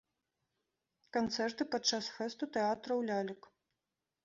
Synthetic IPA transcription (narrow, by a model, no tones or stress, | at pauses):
kant̪sɛrt̪ɨpat͡ʂːasfɛst̪ut̪ɛat̪ɾɐwlʲalʲɐk